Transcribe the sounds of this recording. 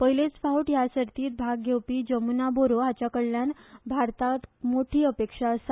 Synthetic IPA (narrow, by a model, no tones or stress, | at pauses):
pəjlet͡sfawʈjasəɾt̪iːt̪̚bʱaɡːewpiːd͡ʑəmunaboɾoɦat͡ɕjakəɭljanbʱaɾt̪at̪moʈʰiːəpekʂasa